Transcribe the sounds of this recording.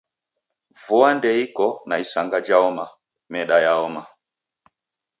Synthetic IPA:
vuandɛikɔnaisaŋɡad͡ʒaɔma | mɛɗajaɔma

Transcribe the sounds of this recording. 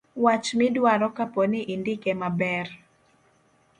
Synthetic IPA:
wat͡ʃmɪdwaɾɔkaponɪʔindikɛmabɛr

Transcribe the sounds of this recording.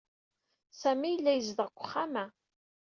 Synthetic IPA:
sæmijəlːæjəzðəʁkʷːəχːæmæ

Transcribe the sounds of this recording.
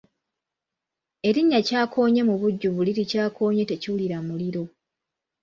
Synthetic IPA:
e̞ɾiɲːacaːkʰo̞ːɲe̞muβuɟːuβuliɾicaːkʰo̞ːɲe̞te̞ciwuliɾamuliɾo̞

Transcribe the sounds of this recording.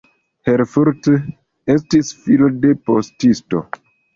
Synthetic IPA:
heɾfuɾt | estisfilode̞postisto̞̰

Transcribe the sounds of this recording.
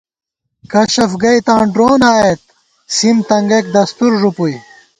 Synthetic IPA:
kɐɕɐfɡɐjt̪ãːɳɖɾoːnaːet̪̚ | simt̪ɐŋɡek̚d̪ɐst̪uɾʐupuj

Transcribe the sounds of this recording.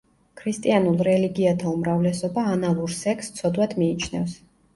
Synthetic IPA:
kʰɾist̪ʼianulˠɾɛliɡiat̪ʰaumɾavlɛsɔbaːnalˠuɾsɛkʰst̪sʰɔd̪wad̪miːt͡ʃʰnɛfs

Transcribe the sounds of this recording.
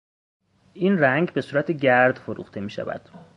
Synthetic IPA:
ʔiːnræŋɟbe̞suːɾæt̪ʰeɟæɾd̪foɾṵxt̪ʰe̞miːʃæ̰væ̰d̪̥

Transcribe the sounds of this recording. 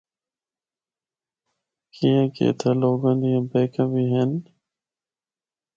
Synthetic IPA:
kiːẽːkḛːt̪ʰəːloːɡãnd̪iːãːbeːkə̃ːbiːɦeːn

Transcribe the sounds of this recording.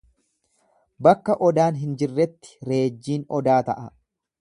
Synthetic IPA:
bɐkːɐʔɔd̪aːnɦɪnd͡ʒɪrːɛt̪ːɪ̥ɾe̞ːd͡ʒːiːnɔd̪aːt̪ɐʔɐ

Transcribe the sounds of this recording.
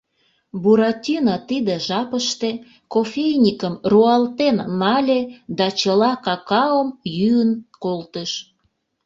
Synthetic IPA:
buɾɑt̪ʲinɑt̪id̪ĕʒɑpəʃt̪e | kofʲejnʲikəmruɑlt̪enːɑlʲed̪ɑt͡ɕəlɑkɑkɑəmjyənkolt̪əʃ

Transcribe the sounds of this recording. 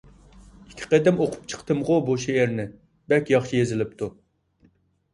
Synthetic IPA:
ikʲʰːi̥qed̪ɪmoqʰʊ̥pt͡ʃʰə̥qt̪ʰɨmʁʊboʃijeɾnɪ | bɛkʲjɑχʃijezɪlɪp̚t̪ʰu

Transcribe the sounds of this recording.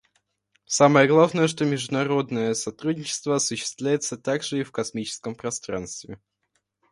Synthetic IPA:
saməjəɡlˠavnəjəʂt̪o̞mʲɪʐd̪ʊnɐɾo̞d̪nəjəsɐt̪ɾudʲnɲʲɪt͡ɕɪ̥st̪vəɐsʊɕːɪ̥st̪vlʲæjɪt̪sət̪aɡʐɨifkɐsmʲit͡ɕɪ̥skəmpɾɐst̪ɾa̰nst̪vʲɪ

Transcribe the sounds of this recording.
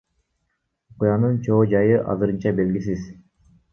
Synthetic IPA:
oqujɑnɯnt͡ʃʰo̞ːd͡ʒɑjɯʔɑ̰zɯɾɯnt͡ʃɑbe̞lɡis̬iz̥

